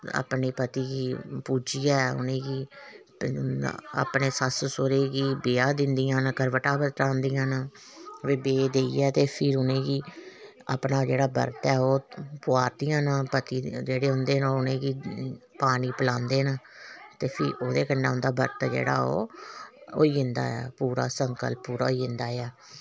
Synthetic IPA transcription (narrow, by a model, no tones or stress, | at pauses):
a̰ːpniːpət̪iːɡiːpuːd͡ʒiːaːɛʊ̰nẽːɡiː | a̰ːpneːsəssoɾeːɡiːbɪːaːd̪ɪnd̪ijãːnːkəɾʋəʈaːbəɾɾãːnd̪ijãːnaː | ʋɪːbeːd̪eːiɛːt̪eːpʰɪɾʊnẽːɡiː | a̰ːpnaːd͡ʒeːɽaːbə̰ɾt̪ɛːoːpʊaːɾd̪ijãːnãːpət̪iːd͡ʒeːɽeːɦʊnd̪eːnãːʊnẽːɡiːpaːniːpəlãːnd̪eːnaːt̪eːpʰɪɾoːd̪eːkənːaːɦʊ̃nd̪aːbəɾt̪ɛːd͡ʒḛːɽa̰ːo̰ː | oːiːɪnd̪a̰ːa̰ːpuːɾa̰ːsəŋkə̰lpːuːɾa̰ːiːɪnd̪aːeaː